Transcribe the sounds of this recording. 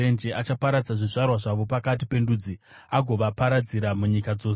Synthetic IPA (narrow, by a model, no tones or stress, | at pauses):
end͡ʒeʔat͡ʃapaɾad͡zaʐiʐarwaʐaʋo̞pakatipe̞nduːd͡zi | aɡʱo̞ʋapaɾad͡ziɾamuɲikad͡zo̞ːs